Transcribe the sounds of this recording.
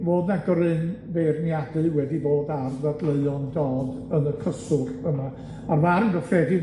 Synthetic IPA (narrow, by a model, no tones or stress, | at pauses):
voːdnaɡɔɾɨnvernjadɨwɛdiboːdarðadlˠeɨɔndɔːdənəkʰəsʊrəma | armaɾənɡəfrɛdɨ